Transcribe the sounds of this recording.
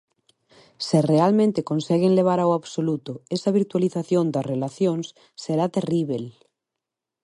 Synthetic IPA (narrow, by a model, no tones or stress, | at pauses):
serealmẽnt̪ekonsɛɣ̞eŋleβ̞aɾawaβsolut̪oesaβ̞iɾt̪waliθaθjond̪ɐrelaθjoŋs | seɾat̪eriβ̞el